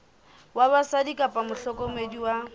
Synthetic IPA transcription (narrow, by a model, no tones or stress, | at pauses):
waβasadikʼapʼamʊɬɔkʼɔmediwa